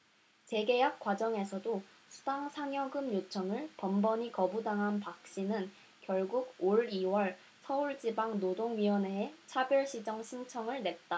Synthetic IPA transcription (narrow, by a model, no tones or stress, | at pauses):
t͡ɕe̞ɡe̞jak͈̚wad͡ʑʌŋe̞sʰʌdo | sʰu̥daŋsʰaŋjʌɡɯmjot͡ɕʰʌŋɯɭpʌmbʌɲikʌbudaŋɦanpak̚ɕ͈inɯn | kjʌɭɡuɡoɾiwʌɭ | sʰʌuɭd͡ʑibaŋnodoŋɥiwʌneet͡ɕʰabjʌɭɕ͈ʰid͡ʑʌŋɕʰint͡ɕʰʌŋɯɭne̞t̚t͈a